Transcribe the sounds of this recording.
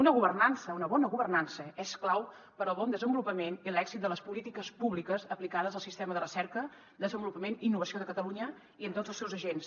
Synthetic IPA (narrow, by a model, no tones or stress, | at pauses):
unəɣuβərnansəunəβɔnəɣuβərnansəɛsklaw | pəɾəlˠβɔnd̪əzəmbulupəmenilɛɡzit̪̚d̪ələspulit̪ikəspuβlikəzəplikaðəzəlˠsist̪ɛməðərəsɛɾkə | d̪əzəmbulupəmeniːnːuβəsioðəkət̪əluɲə | iəmt̪otd͡zəlˠsɛwzəʒens